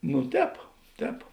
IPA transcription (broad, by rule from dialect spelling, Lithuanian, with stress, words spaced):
nʊ ˈtʲɛːp ˈtʲɛːp